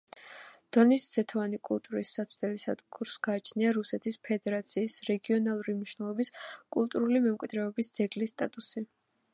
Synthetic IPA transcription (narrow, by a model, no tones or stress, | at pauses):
d̪̥ɔnisz̥ɛt̪ʰavanikʼulˠt̪ʼuɾisːat̪sʰvd̪ɛlisa̰t̪ʼkuɾsɡ̥aːt͡ʃʰniaɾusɛt̪ʰispʰɛd̪ɛɾat̪sʰiːsɾɛɡiɔnalˠuɾimniʃnɛlˠɔbiskʼulˠt̪ʼuɾulimɛmkʼwid̪ɾɛɔbisd̪z̥ɛɡlist̪ʼat̪ʼusi